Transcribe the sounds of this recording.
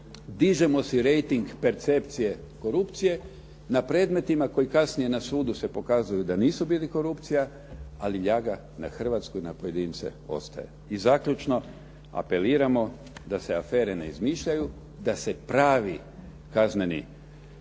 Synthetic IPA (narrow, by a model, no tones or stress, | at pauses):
d̪iʒe̞mo̞siɾe̞jt̪iŋɡpe̞ɾt̪se̞pt̪sije̞ | ko̞ɾupt̪sije̞ | napɾe̞ːd̪me̞t̪imako̞jikasnije̞nasuːd̪use̞po̞kaːzujud̪aniːsubiːliko̞ɾupt̪sija | aliʎaːɡa | na̰xr̩ʋat̪skoinapoje̞d̪iːnt̪sḛo̞̰st̪a̰jḛizaːkʎʲut͡ʃno̞ | a̰pe̞liːɾamo̞ | d̪aseafe̞ːɾe̞ne̞̰izmiʃʎaju | d̪ase̞pɾaːʋi | kazne̞nḭ